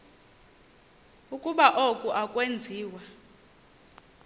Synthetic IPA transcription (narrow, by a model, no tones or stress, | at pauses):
ukʼuɓaʔokʼuʔakʼwend͡zʱiːwa